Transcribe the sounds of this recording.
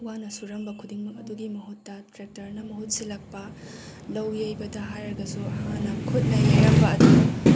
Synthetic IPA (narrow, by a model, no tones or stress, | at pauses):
wanɐsuɾɐmbɐkʰudiŋmɐkɐduɡimɐɦutːɐtɾek̚tɐɾnɐmɐɦut̚silɐk̚pɐlɐwjejbɐdɐɦajɾɐɾɡɐsuɐhanɐkʰut̚nɐjaɾɐmbɐːdu